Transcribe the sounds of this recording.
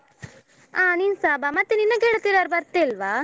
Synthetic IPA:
aːninsaːbamɐt̪ːeninːɐɡeɭt̪ːiɾaɾbɐɾt̪ːelʋa

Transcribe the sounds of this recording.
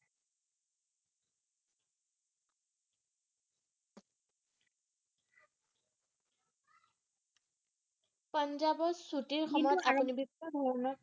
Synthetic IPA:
pʌnzabɔsutiɹxɔmɔjɔtapunibikɔdʱɔɹɔnɔ

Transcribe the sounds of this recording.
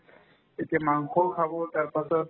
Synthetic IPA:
et̪amaŋkʰɔkʰabot̪aɾpasɔt̪

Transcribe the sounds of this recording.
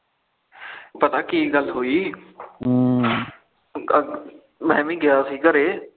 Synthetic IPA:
pɐt̪akiːɡəlɦuiː | mɛ̃ːmĩɡɪjaːsiːkəɾeː

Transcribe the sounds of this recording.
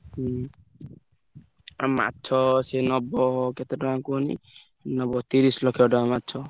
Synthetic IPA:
a̰ma̰t̪ːt͡ʃʰɔsenɔbɔket̪eʈɔakonḭ | nɔbɔt̪iɾislɔkʰɛʈɔamat̪ːt͡ʃʰɔ

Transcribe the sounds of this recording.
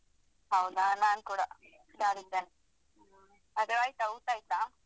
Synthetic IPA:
ɦɐwd̪anaːnkuːɽa | d̪aːnid̪ːen | ɐd̪eʋaːjit̪ɐuːt̪aːjit̪am

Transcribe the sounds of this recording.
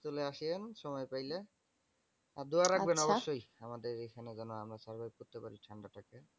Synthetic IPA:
t̪uleaʃienʃɔmɔjpajle | ad̪uaɾːabenɔboʃːojamad̪eɾejkʰanezɔnoamɾasaɾbaɡ̚kut̪ːekaɾiʈʰaɳɖatʰake

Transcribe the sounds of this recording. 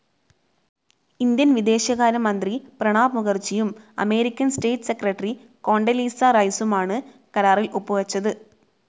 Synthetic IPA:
ind̪jɐnʋid̪e̞ːɕjɐɣaːɾɐmːɐnd̪riprɐɳaːbmuɣɐrt͡ɕːijumɐ̰me̞ːɾikʲːɐnste̞ːʈːɨ̥sekrɐʈːri | ko̞ːɳɖɐliːsɐrɐjsumaːɳɨ | kɐɾaːrilupːuʋɐt͡ɕːɐðɨ

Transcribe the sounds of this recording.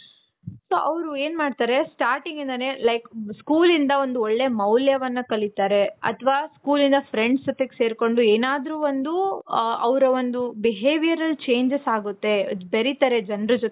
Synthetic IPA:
soːʔɐʋɾueːnmaːɖt̪aːɾe̞sʈaːɾʈiŋɡind̪ane̞lɐjkskuːlind̪ɐo̞nd̪uɔɭːe̞mɐwljɐʋɐnːɐkɐlit̪aːɾe̞ɐ̰t̪ʰʋaːskuːlind̪ɐfɾeɳɖsd͡ʒot̪ːeɡe̥se̞ːɾko̞ɳɖueːnaːd̪ɾuːond̪uɐ̰ʋɾɐond̪ubiɦeːʋijɐɾɐlːt͡ʃe̞ːɲd͡ʒesaːɡut̪ːe̞beɾit̪ɐɾe̞d͡ʒɐnɾɐd͡ʒot̪

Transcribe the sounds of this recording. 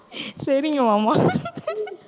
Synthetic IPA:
sɐɾɪŋɡɐmama

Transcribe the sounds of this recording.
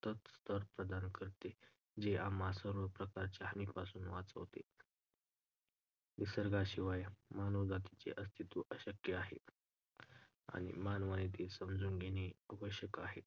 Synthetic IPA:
t̪ət̪st̪ʰəɾpɾəd̪ankəɾt̪e | d͡ʑeʔamasəɾʋəpɾəkaɾt͡ɕaɦənipasuːnʋat͡sə̰ʋt̪ḛ | ʋisəɾɡaɕiʋajmanod͡zat̪it͡ɕḛʔəst̪ʰit̪uʔəɕəkjəaɦḛt̪ | a̰ñḭmanʋanet̪esəmd͡zuːnɡʱeneaʋəɕjəkaɦet̪

